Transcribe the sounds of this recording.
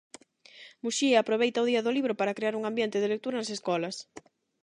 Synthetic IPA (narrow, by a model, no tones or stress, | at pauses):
muʃiapɾoβ̞ejt̪ɐoðiɐðʊliβɾopaɾakɾeaɾuŋambjent̪ɪðelek̚t̪uɾɐnaseskɔlɐs